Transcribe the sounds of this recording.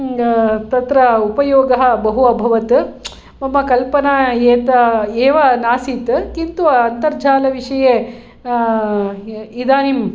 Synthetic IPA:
t̪ɐt̪ɾɐupɐjoːɡɐɦɐ̆bɐɦuɐbʱɐʋɐt̪ | mɐmɐkɐlpɐnaːeːt̪ɐeːʋɐnaːsiːt̪kint̪uʋɐːnt̪ɐɾd͡ʒʱaːlɐʋiʂɐjeː | id̪aːnim

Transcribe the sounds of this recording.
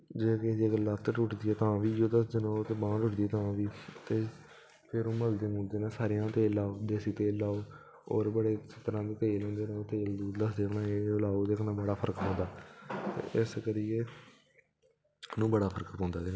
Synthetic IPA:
d͡ʒeːked͡ʒiːɡələt̪ːʈʊʈd̪iːɛːt̪ãːʋiːd͡ʒoːd̪əsd͡ʒ̪ɪnoːt̪eːbãːʈʊʈd̪iɛːt̪ãːʋiːt̪eː | pʰɪɾõːməld̪eːmõːd̪eːnẽːsaːɾejãːt̪eːlaːd̪eːsiːt̪eːlːaːoː | ɔ̰ːɾbəɽeːsɪt̪əɾãːd̪eːt̪eːlɦõːnd̪eːnẽːoːt̪eːld̪uːd̪əsd̪eːkʰnãːeːolaːoːd̪eːkʰnãːbəɽaːpʰəɾəkpɔ̃ːnd̪aːt̪ḛːʔɪskəɾijeː | nũːbəɽaːpʰəɾəkpɔ̃ːnd̪aːd̪eːnː

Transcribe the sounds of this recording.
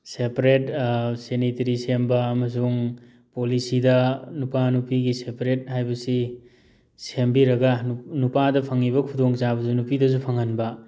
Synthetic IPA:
sepɾetsenitɐɾisembɐːmɐs̬uŋ | polisidɐnupanupiɡisepɾet̚ɦajbɐsi | sembiɾɐɡɐnupadɐpʰɐŋiβɐkʰudoŋt͡ʃabɐzunupidɐzupʰɐŋɐnbɐ

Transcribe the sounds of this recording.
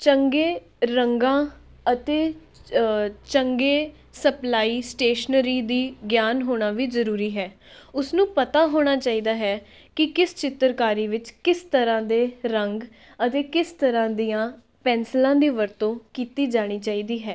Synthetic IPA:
t͡ʃəŋɡeː | ɾəŋɡãː | ət̪eː | t͡ʃəŋɡeː | səplaːiːsʈeːʃnəɾiːd̪iːɡjaːnɦoːɽ̃aːʋiːzəɾuːɾiːɦɛː | ʊsnũːpət̪aːɦoːɽ̃aːt͡ʃaːiːd̪aːɦɛː | kɪkɪst͡ʃɪt̪ːəɾkaːɾiːʋɪt͡ʃkɪst̪əɾãːd̪eːɾəŋɡ | ət̪eːkɪst̪əɾãːd̪ijãː | pɛ̃ːnslãːd̪iːʋəɾt̪õːkiːt̪iːd͡ʒaːɽ̃iːt͡ʃaːiːd̪iːɦɛː

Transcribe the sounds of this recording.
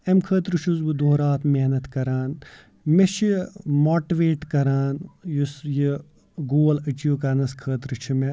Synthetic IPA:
emkʰəːt̪ɾɨt͡ʃʰuzbɨd̪oːɾaːt̪ʰmeɦnɐt̪kɐɾaːn | met͡ʃʰimoːʈiʋeːʈkɐɾaːnjusji | ɡoːlɐt͡ʃuːkɐɾnɐskʰəːt̪ɾɨt͡ʃʰume

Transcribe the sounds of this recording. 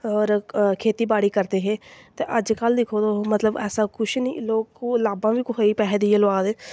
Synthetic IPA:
ɔːɾkʰeːt̪iːbaːɽiːkəɾd̪eːɦeːt̪eːʔəd͡ʒkəld̪ɪkʰoːd̪oːmət̪ləbɛ̰ːsãːkʊʃniloːkːlaːbãːʋiːkʊɦaːiːpɛːɦd̪iːelʊʋaːd̪eː

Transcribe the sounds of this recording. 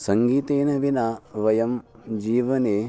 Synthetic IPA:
sɐŋɡiːt̪eːnɐʋinaːʋɐjɐm | d͡ʒiːʋɐneː

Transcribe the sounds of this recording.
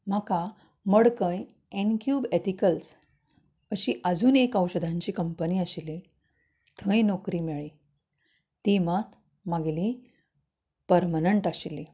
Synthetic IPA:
m̤aka | məɽkə̃j | enkjuːbet̪ikəls | əɕiːʔəd͡zʱuːnekəwɕəd̪ʱãɲt͡ɕiːkəmpəniːəɕili | t̪ʰə̃jnɔkɾiːmeɭi | t̪imat̪ | maɡli | pəɾmaneɳʈaɕili

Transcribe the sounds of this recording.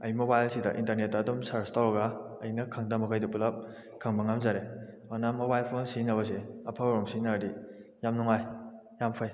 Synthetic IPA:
ɐjmobajlsidɐ̰ʔintɐɾnet̚ːaːdumsaɾstawɐɡa | ɐjnɐkʰaŋdɐmɐkʰajdɐpulap̚ | kʰaŋbɐŋamzaɾe | anamobajlpʰonsinɐβɐs̬eɐpʰaɾɔmsinadijamnuŋaj | jampʰaj

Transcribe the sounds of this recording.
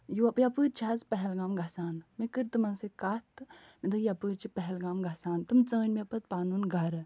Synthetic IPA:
juɐpjapɨːɾt͡ʃʰazpɐɦɛlɡamɡɐsaːnmikɨɾt̪ɨmɐnsikat̪ɨmid̪ɨkjapɨɾt͡ʃʰipɐɦɛlɡaːmɡɐsaːnt̪ɨmt͡səːnʲmipɐt̪̚paːnunɡɐɾ

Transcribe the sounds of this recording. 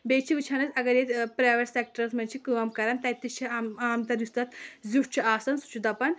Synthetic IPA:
beːt͡ʃʰiʋɨt͡ʃʰanɐt͡sɐɡɐɾjet̪ʲpɾaːʋɐɾsek̚ʈɐɾɐsmɐnʲt͡ʃʰikɨʋɐmkɐɾant̪ɐjt̪ːist͡ʃʰiaaːmt̪ɐɾist̪ɐt̪ziʂt͡ʃʰiaːsɐnsu̥t͡ʃʰud̪ɐpɐn

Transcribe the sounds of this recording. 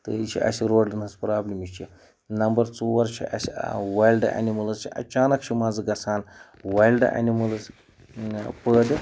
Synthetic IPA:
t̪ɨit͡ʃʰḭʔɐ̰siɾoːɖɨnɐspɾaːblʲimit͡ʃʰi | nɐmbɐɾt͡suwɐɾt͡ʃʰḭʔɐ̰siʋaːjlɖa̰nimɐlzt͡ʃʰiʔɐ̰t͡ʃaːnɐkt͡ʃʰimaːd͡zɨɡɐsʰaːn | ʋaːjlɖa̰nimɐlz | pəːdʲi

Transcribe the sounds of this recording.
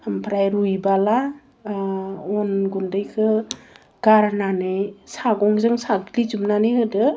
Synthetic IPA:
ampʰɾajɾujbala | ɔnɡundɯjkʰɯ | ɡ̥aɾnanɯjsaɡɔŋzɯŋsaɡlizumnanɯjɦɯdɯ

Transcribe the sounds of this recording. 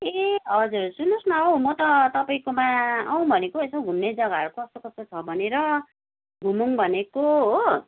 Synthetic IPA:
eʌd͡zursunosmʌʌw̃mʌt̪ʌt̪ʌpaĩkomaaw̃bʱʌnekoesõɡʱunːed͡zʌɡaʌɾukokʌst̪okʌst̪ot͡sʰʌbʱʌneɾʌ | ɡʱumuŋbʱʌnekoɦo

